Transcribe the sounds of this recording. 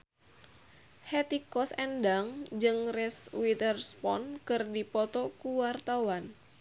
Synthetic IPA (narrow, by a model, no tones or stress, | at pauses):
hɛt̪ikɔsɛndaŋd͡ʒɨŋrɛswit̪ərspɔ̰nkɨrdipɔt̪ɔkuwart̪awan